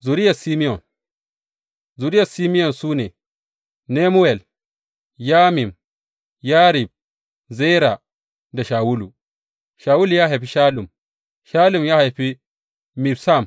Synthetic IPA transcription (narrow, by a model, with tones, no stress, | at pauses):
zu˨ɾi˦ja˨si˦mi˦jɔ˨n | zu˨ɾi˦ja˨si˦mi˦jɔ˨nsuː˦ne˨ | ne˦mu˦ɛ˨l | jaː˦mi˨m | jaː˦ɾi˨b̚ | zɛ˦jɾa˨ | da˨ʃaː˨wu˦lu˨ | ʃaː˨wu˦lu˨jaː˦ɦa˨jɸi˦ʃaː˦lu˨m | ʃaː˦lu˨mjaː˦ha˨jɸi˦ | mi˨bsa˦˨m